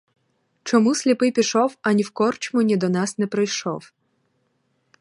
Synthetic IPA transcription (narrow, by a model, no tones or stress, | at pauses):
t͡ʃɔmusʲlʲipɪpʲiʃɔwɐnʲiwkɔrt͡ʃmɔnʲid̪ɔnɑsnɛpɾɪjʃɔ̰w